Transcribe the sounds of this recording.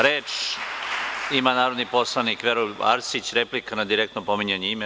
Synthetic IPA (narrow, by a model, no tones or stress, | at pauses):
ɾeːt͡ʃ | imanaːɾo̞d̪nipo̞slˠanikʋeɾola̰ɾsit͡ɕɾe̞plikanad̪iɾekt̪nopo̞miɲeɲeime